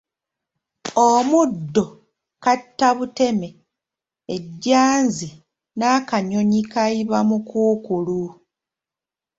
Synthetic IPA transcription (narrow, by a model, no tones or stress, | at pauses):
omudːo̞ | katːaβute̞me̞ | eɟːaːnzi | naːkaɲo̞ɲikaiβamukuːkulu